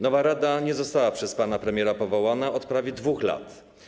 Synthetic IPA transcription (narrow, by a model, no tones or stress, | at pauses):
nɔvaɾad̪aɲɛzɔst̪awapʂɛspanapɾɛmʲjɛɾapɔvɔwanaɔt̪pɾavʲjɛd̪vuxla̰t̪